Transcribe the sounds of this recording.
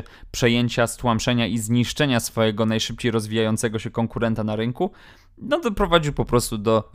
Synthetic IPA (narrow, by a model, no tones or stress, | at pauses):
pʂɛjeɲt͡ɕast̪wampʂɛɲaʔizɲiʂt͡ʂɛɲasfɔjɛɡɔnajʂɘp̚t͡ɕejɾɔzvʲijajɔnt̪sɛɡɔɕɛkɔŋkuɾɛnt̪anaɾɘŋku | nɔd̪ɔpɾɔvad͡ʑiwpɔpɾɔst̪ud̪ɔ